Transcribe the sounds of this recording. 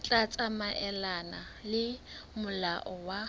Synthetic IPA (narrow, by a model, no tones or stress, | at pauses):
t͡ɬʼat͡sʼamaʔɛlanalɪmʊlaʔɔwa